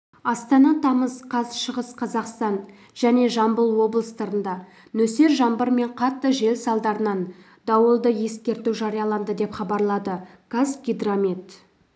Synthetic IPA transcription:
ɑst̪ɑnɑt̪ʰɑməzqʰɑzʃəʁəsqʰɑzɑqst̪ɑn | ʒ̥æne̞ʒɑmbəlˠwo̞blˠəst̪əɾənd̪ɑ | nɵse̞ɾʒɑmbəɾme̞ɴqʰɑt̪ːəʒe̞lsɑlˠd̪ɑɾənɑn | d̪ɑwəlˠd̪əje̞skʲe̞ɾt̪uwʒɑɾijɑlˠɑnd̪əd̪e̞pχɑbɑɾlˠɑd̪ə | ɡ̥azɡʲid̪ramit̪

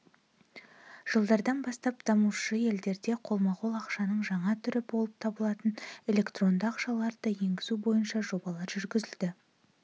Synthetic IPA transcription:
ʒ̥əlˠd̪ɑɾd̪ɑnbɑst̪ɑp̚d̪̥ɑmuʃəje̞ld̪e̞ɾd̪e̞qʰo̞lˠmɑqolˠɑqʃɑnəɴʒɑɴɑt̪ʰʏɾɪbo̞lˠəp̚t̪ʰɑbəlˠɑt̪əne̞lʲe̞kt̪ro̞nd̪əɑqʃɑlˠɑɾd̪əje̞ŋɡʲɪzubo̞jənʃɑʒo̞bɑlˠɑɾʒʏɾɡʲɪzɪld̪ɪ

